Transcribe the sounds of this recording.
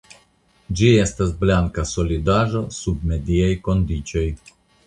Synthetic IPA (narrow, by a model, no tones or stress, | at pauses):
d͡ʒie̞st̪asblaŋkaso̞lid̪aʒo̞sub̚me̞d̪iajko̞nd̪it͡ʃo̞j